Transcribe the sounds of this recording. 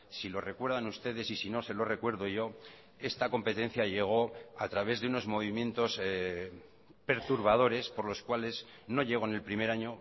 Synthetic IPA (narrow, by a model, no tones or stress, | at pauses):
silo̞re̞kwe̞ɾðanust̪e̞ðe̞sisino̞se̞lo̞re̞kwe̞ɾðoʝo̞ | e̞st̪ako̞mpe̞t̪ẽ̞n̟θjaʝe̞ɣ̞o̞at̪ɾaβ̞e̞zðeuno̞zmo̞βimje̞nt̪o̞s | pe̞ɾt̪uɾβaðo̞ɾe̞spo̞ɾlo̞skwale̞z | no̞ʝe̞ɣ̞o̞ne̞lpɾime̞ɾaɲo̞